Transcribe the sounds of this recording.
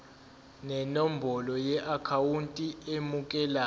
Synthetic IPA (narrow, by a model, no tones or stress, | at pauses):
nɛnombʱɔlɔjɛʔakʰawuntʼiemuk̬ʼɛla